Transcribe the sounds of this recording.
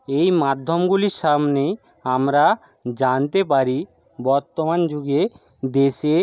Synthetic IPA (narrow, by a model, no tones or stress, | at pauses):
ejmad̪ʱːomɡuliɾʃamne | amɾa | d͡ʑant̪epaɾi | bɔɾt̪omand͡ʑuɡe | d̪eʃe